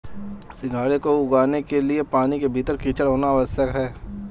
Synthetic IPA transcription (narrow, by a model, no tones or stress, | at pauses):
sɪɡʱaːɽekoʊɡaːnekeliepaːnikebʱiːt̪əɾkiːt͡ʃəɽɦoːnaːʋəsəkɦɛː